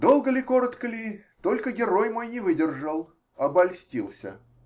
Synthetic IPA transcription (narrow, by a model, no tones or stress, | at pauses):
d̪o̞lˠɡəlʲɪko̞ɾət̪kəlʲɪt̪o̞lʲkəɡʲɪɾo̞jmo̞jnʲɪvɨdʲɪrʐəlˠ | ɐbɐlʲsʲtʲilˠsʲə̰